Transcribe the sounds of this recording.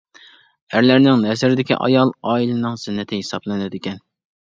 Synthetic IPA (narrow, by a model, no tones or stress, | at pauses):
æɾlæɾnɪŋnɛzɪɾɪd̪ɪkʲḭʔɑ̰jɑlˠɑːilɪnɨŋsɪnːɪt̪ʰɪɦesɑblˠɨnɨd̪ɪkʲɛn